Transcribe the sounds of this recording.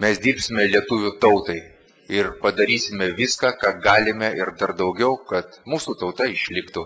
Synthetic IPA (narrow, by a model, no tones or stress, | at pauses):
mʲɛsd̪ʲiːɾʲpʲsʲɪmʲɛlʲiɛt̪ʊʋʲut̪ɐʊt̪ɐɪ | ɪɾpɐd̪ɐɾʲiːsʲɪmʲɛʋʲɪskɑːkɑːɡɑːlʲɪmʲɛʔɪɾd̪ɐɾd̪ɐʊɡʲɛʊkɐt̪muːsuːt̪ɐʊt̪ɐɪʃʲlʲɪkt̪ʊ